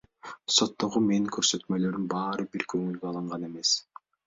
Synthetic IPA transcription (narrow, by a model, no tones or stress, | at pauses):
so̞t̪ːo̞ʁume̞niŋkʰøɾsø̞t̪mø̞lø̞ɾymbɑːɾɯbiɾkʰøŋylɡøɑlˠɯɴʁɑne̞me̞s